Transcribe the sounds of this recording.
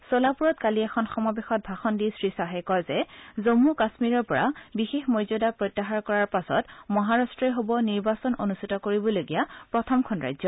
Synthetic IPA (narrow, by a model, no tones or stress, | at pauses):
solapuɹɔtkaliɛxʰɔnxɔmabexɔt̚bʱaxɔndisɹisaɦɛjkɔjzɛzomːukasmiɹɔɹpɔɹa̰bixexmozodapɹojtːaxaɹkɔɹaɹpasɔ̰tmɔɦaɹastɹɛɦobɔniɹbasɔnonustʰitɔkoɹibɔloɡijapɹɔtʰɔmkʰɔnɹa̰jzɔ